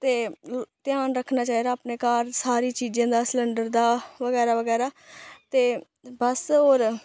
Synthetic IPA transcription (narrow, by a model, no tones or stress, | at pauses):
t̪eːt̪ɪjaːnɾəkʰnaːt͡ʃaːiːd̪aːpneːkaːɾsaːɾiːt͡ʃiːd͡ʒãːd̪aːsləɳɖəɾd̪aːʋəɡɛːɾaːʋəɡɛːɾaːt̪eː | bəsɦoːɾ